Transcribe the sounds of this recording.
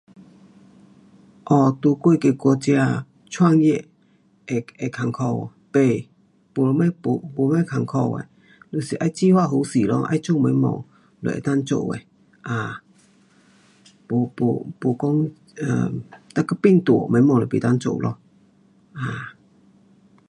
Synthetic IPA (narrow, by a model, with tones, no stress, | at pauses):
ʔɔ˧˩t̪u˧kwe˥˧ke˧˨kɔ˧t͡ɕja˧ | t͡sʰwa˥˧ŋje˧˨ʔ | e˧˩e˨˧˨kʰa˨˩ŋkʰɔ˧wpe˧˩ | po˧˨˧me˧˦po˧˨po˧˦mẽ˧˦kʰa˨˩ŋkʰɔ˧wḛ˨ | lo˧˩˨si˨ʔa˧˦jt͡ɕi˧hwa˥˧˨ɦu˧˦si˨˩lɔ˧˦ʔa̰˧˦jt͡ɕo˥˧˨mẽ˨˧˦mɔ̰˨˧˩ŋ | lɔ̰˧˨ʔḛ˨˧˩t̪a˦˥nt͡so̰˧˨ʔḛ˨ | ʔa˧˩ | po˧po̰˧˩po˧kɔ˦ŋ | a̰˨˩t̪a˧˨ka˧˦pi˥˧˨ŋt̪wɔ˨mẽ˨˦mɔ˧˨ŋlɔ˨˩pḛ˨˩t̪a˥˦nt͡so̰˧˨wlʔɔ̰˧˦ | ʔa˧˨˩